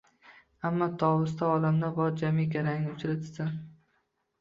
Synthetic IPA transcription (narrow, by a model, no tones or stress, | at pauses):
amːɒt̪ʰɒwʊs̬t̪ʰaɒlamd̪abɒɾd͡ʒamikʲaɾaŋnɪʊt͡ʃʰɾat̪ʰɪsan